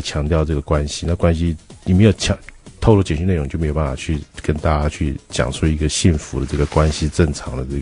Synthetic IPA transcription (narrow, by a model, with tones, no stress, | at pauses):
t͡ɕʰjɑ˧˥ŋt̪jɑ˥˧ʊʈ͡ʂɤ˥˩ɡə˩kwa˦nɕi˧na˥˩kwa˥nɕi˧ni˨˩m˧˥ɪjo˨˩ʊt͡ɕʰɑ˧˥t̪ʰklɔ˥˩t͡ɕjɛ˨˩nɕy˧ne˥˩ʊ˧˥ŋt͡ɕjm˧˥˧jpa˥˩fɑ̰˨˩t͡ɕʰy˥˩kə˥nt̪a˥˩t͡ɕa˥t͡ɕʰy˥˩t͡ɕjɑ̰˨˩ŋʈ͡ʂʰu˥˧i˧˥ɡə˨˩ɕi˥˩nfu˧˥d̪ə˧ʈ͡ʂɤ˥˩ɡə˩kwa˦˥nɕi˥ʈ͡ʂə˥˩ŋʈ͡ʂʰɑ˧˥ŋd̪ə˧ʈ͡ʂə˥˩